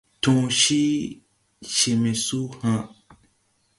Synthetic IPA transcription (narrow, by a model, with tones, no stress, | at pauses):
tũ˨ʃi˦ | ʃe˨mẽ˨su˦hã˨